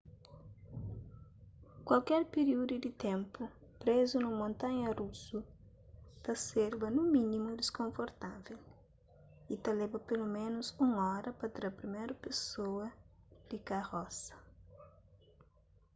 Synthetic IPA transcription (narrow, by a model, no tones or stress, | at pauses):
kwɐlkɛɾpeɾiud̪ud̪it̪ẽmpu | pɾezunumõnt̪ãɲɐrusu | t̪ɐseɾbɐnũmĩnimud̪eskõɱfoɾt̪avel | it̪ɐlɛbɐpelumẽnʊsũŋɔɾɐpɐt̪ɾɐpɾimejɾɐpesoɐd̪ikaɣɔsɐ̥